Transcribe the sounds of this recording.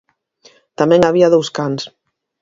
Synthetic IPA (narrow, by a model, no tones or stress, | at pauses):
t̪amɛ̃ŋaβiaðowskans